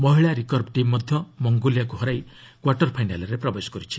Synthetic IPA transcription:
mɔɦiɭaɾikɔɾbʈimːɔd̪ʱjɔmɔŋɡoljakuɦɔɾaj | kwaɾʈɔɾpʰajnalɔɾepɾɔbesɔ̥kɔɾit͡ʃʰi̥

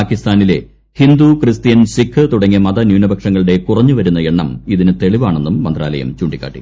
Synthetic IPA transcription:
aːkːist̪aːnile̞̰ | hind̪ukrɨst̪ijɐnsikʰːɨt̪uɽɐŋːiɐmɐðɐnjuːnɐbʱɐkʂɐŋːɐɭuɽe̞kurɐɲːuʋɐɾunːɐe̞ɳːɐmiðinɨt̪e̞ɭiʋaːɳe̞nːumːɐnd̪ra̰ːlɐ̰jɐ̰mt͡ɕuːɳɖikːa̰ːʈːḭ

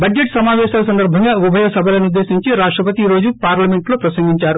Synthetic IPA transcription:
bɐd͡ʒd͡ʒeʈsɐmaːʋɛːʃaːlɐs̬ɐnd̪ɐɾbʱɐŋɡaːʋubʱɐjɐsɐbʱɐlɐnud̪ːe̞ːsiɲt͡ʃiɾaːʂʈɾɐpɐt̪iɾo̞ːd͡ʒupaːɾlɐmeɳʈlo̞ːpɾɐsɐŋɡiɲt͡ʃaːɾu

